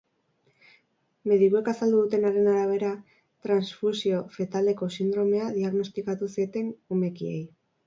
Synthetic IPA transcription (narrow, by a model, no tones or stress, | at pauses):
me̞ðikue̞kasald̪uðut̪e̞naɾenaɾaβ̞e̞ɾa | t̪ɾansfusio̞fe̞t̪ald̪e̞ko̞sind̪ɾo̞me̞aðiaɣno̞st̪ikat̪usie̞t̪e̞nume̞kiḛj